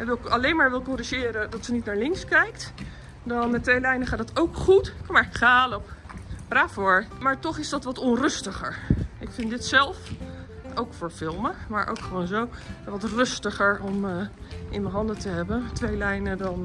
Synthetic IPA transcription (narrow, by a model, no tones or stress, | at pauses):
ɛʋɪlˠkɑlejnmaːɹʋɪlˠkoːɾiʒɪːɾədɑtsənitnaːɹlɪŋkskɛjkt | dɑnmɛtʋejlɛjnəχaːtdɑtowkχutkmaɹkχaːlɔpb̥raːfʊːɹmaːɹtɔχɪsdɑtʋɑtɔnrɵstəχə̰ɹɪkfɪntdɪtsɛlˠf | owkfʊːɹfɪlˠməmaːɹʔo̰wkχəʋoːnzowʋɑtrɵstəχəɹɔmʔɪnəɦɑndətəɦɛbəntʋejlɛjnədɑn